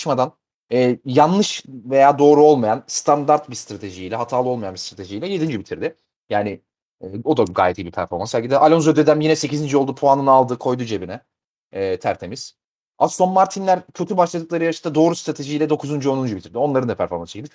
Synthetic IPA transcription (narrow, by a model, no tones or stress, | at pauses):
ʃmad̪an | ɛːjanlˠɯʃve̞jaːd̪o̞ːɾuo̞lˠmajanst̪ʰand̪aɾt̪bist̪ɾat̪ʰe̞ʒijiːlʲɛɦat̪ʰaːlˠɯo̞lˠmajanbist̪ɾat̪ʰe̞ʒijlʲɛje̞d̪ind͡ʒybit̪ʰiɾd̪ɪ | jaːnɪː | o̞d̪aɡa̰ːjɛt̪ʰːibipʰæɾfo̞ɾmanshælʲɟid̪ʔalʲo̞nzød̪ed̪æmjinɛse̞cizind͡ʒyolˠd̪upʰoanɯnalˠd̪ɯkʰo̞jd̪ud͡ʒe̞binɛː | t̪ʰæɾt̪ʰe̞miz̥ | aso̞mmaɾt̪ʰinlʲæɾcʰø̞t̪ʰybaʃlˠad̪ɯklˠaɾɯjaɾast̪ad̪o̞ːɾust̪ɾat̪ʰe̞ʒilʲɛd̪o̞kʰuzund͡ʒyo̞nund͡ʒubit̪ʰiɾd̪io̞nlˠaɾɯnd̪apʰæɾfo̞ɾmanst͡ʃecilʲd̪i